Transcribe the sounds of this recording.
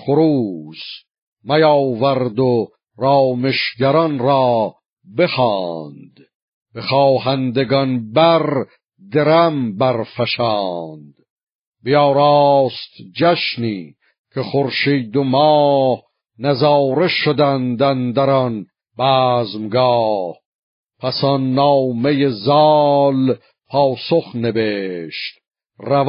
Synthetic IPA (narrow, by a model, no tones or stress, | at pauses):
χoɾuːs | mæjɑːwvæɾd̪o | ɾɑːmeʃɟæɾɒnɾɑː | bexɑːnd̪̥ | b̥exɑːhænd̪eɡɒnbæɾ | d̪eɾæmbæɾfæʃɑːnd̪̥ | bejɑːɾɑːst̪d͡ʒæʃniː | kʰeχoɾʃiːd̪omɑːh | næzɑːɾe̞ʃod̪ænd̪ænd̪æɾɒn | b̥æːzmɡɑːh | pʰæsɑnːɑːmejezɑːl | pʰɑːsoχne̞beːʃt̪ | ræv